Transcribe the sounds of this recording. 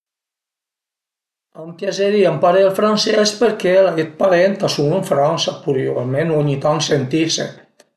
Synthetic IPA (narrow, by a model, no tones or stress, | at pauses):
ampjazeɾiampaɾelfɾansɛspeɾkelaet̪̚paɾent̪asumeɱfɾansapuɾjo̰menoɲit̪aŋsent̪isḛ